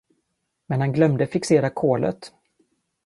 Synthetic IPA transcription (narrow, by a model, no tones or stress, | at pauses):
mɛnhanɡlœmd̪əfɪkseːɾakʰoːlʔə̰t̪